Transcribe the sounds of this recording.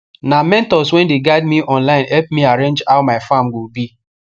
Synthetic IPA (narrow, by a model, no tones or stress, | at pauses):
namɛ̃ntɔswɛ̃ndeɡaɪdmiʔɔ̃nlaɪ̃nɛp̚miaɾẽnd͡ʒaʊmaɪfamɡobi